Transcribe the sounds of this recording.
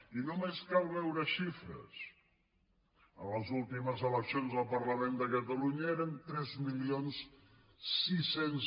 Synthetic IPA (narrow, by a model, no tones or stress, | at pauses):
inomeskalˠβɛwɾəʃifɾə̰s | ə̰ləzulˠt̪iməzələksionzðəlˠpəɾləmend̪əkət̪əluɲəeɾənt̪ɾɛzmilions | sːisen